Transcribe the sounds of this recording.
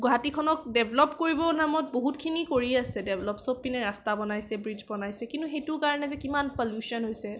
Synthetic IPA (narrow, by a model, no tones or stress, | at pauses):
ɡɔɦatikʰɔnɔkdɛbʱlɔpkoɹibɔnamɔt̚boɦutkʰinikoɹiasɛdɛbʱlɔpsopːinɛɹastabɔnajsɛbɹid͡ʒbɔnajsɛkintuxejtʊɹkaɹɔnɛzɛkimanpɔljusiɔnɦojsɛ